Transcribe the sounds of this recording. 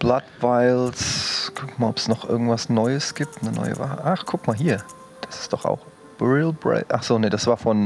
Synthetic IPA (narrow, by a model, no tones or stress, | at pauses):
b̥latvaɪlskʰʊkmaːlɔpsnɔχʔɪ̰ɡŋ̩tv̥asnɔʏəsɡ̥iːp̚tnənɔ̰ʏə̰va̰ːhə̰ʔaχkʰʊkmaːlɦiːɐ | d̥asɪ̥std̥ɔχa̰ʊx | b̥ɛʁilbʁɛ̰ɪʔaχz̥oːneːd̥asv̥aːfɔn